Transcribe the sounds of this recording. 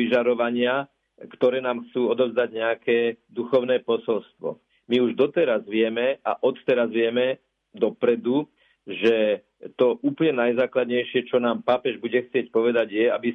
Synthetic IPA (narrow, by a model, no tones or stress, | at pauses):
iʒaɾɔʋaɲɪa | kt̪ɔɾɛːnaːmxt͡suːɔd̪ɔvzd̪aɟɲɛakɛːd̪uxɔʊnɛːpɔsɔlst̪ʋɔ̰ | miuʒd̪ɔt̪ɛɾazʋɪɛmɛa̰ʔɔt̪t̪ɛɾazʋɪɛmɛ | d̪ɔpɾɛd̪u | ʒɛ | t̪ɔʔuːplɲɛnajzaːklad̪ɲɛjʃɪɛt͡ʃɔnaːmpaːpɛʒbuɟɛxt͡sɪɛcpɔʋɛd̪aɟjɛabi